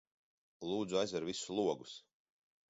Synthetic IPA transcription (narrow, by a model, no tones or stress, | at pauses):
lˠuːd̪zuajzɛɾvisulˠuɔɡus